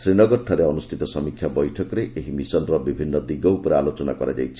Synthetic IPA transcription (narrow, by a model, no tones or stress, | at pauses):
sɾinɔɡɔɾʈʰːaɾeɔnusʈʰit̪ɔsɔmikʰjabɔjʈʰɔkɔɾeʔeɦimisɔnɾɔbibʱinːɔd̪iɡɔupɔɾealot͡ʃɔna̰kɔɾa̰d͡ʒa̰jt͡ʃʰi̥